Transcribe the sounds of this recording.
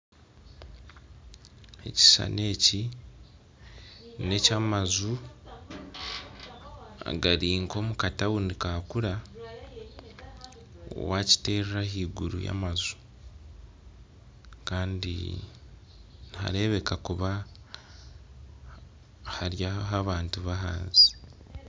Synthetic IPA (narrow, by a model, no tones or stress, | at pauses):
e̞̰ci̥sa̰ne̞ːci | ne̞camazu | a̰ɡaɾiːŋko̞mukatawunikaːkuɾa | o̰waci̥te̞ːrrahiːɡuɾṵja̰mazu̥ | kaːndḭ | niha̰ɾe̞βe̞kakuβa | haɾjaɦaβaːntuβaɦa̰ːnzi